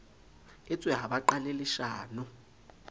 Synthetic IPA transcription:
ɛt͡sʼwɛɦaɓaǃalelɪʃaːnʊ

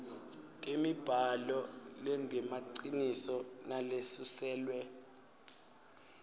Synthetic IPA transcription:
kʼemib̥ʱalɔlɛŋʱɛmaǀinisɔnalesusɛːlwɛ

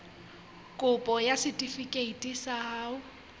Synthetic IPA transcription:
kʼʊpʼɔjasɪtʼifikʼeitʼisaɦaːʊ

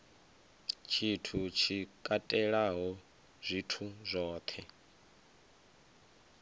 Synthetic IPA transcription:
t͡ʃʰitʰut͡ʃʰikʼatʼɛɺaɦɔ | zʷitʰuzʷɔːt̪ʰɛ

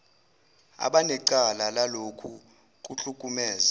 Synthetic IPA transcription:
a̰ɓanɛǀalalalokʰu | k̬uɬukʼumɛːza

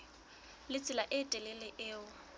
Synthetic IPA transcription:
lɪt͡sʼɪlaʔɪtʼɛlɪlɪʔɪːʊ

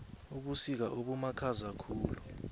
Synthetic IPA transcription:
uɓusik̬aʔoɓumakʰazakʰuːlu

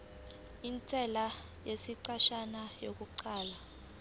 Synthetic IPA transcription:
int͡sʼʰɛla | jesiǀaʃanajok̬ʼuǃaːla

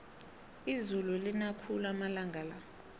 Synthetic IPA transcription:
izululinakʰulamalaŋɡʱala

